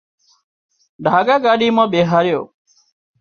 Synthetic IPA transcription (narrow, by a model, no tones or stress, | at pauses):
ɖʱaːɡaːɡaːɗiːmãːɓeːɦaːɾɪjo̰ː